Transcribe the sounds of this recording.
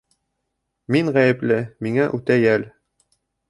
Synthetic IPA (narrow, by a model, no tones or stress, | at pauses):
miŋʁæjɘ̆plɘmiŋæʔʉt̪æjæl